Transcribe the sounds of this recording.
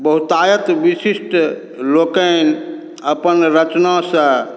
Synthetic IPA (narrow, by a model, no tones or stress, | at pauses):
bəɦut̪ajət̪ʋisisʈ | lokən | əpənɾət͡ʃnasə̃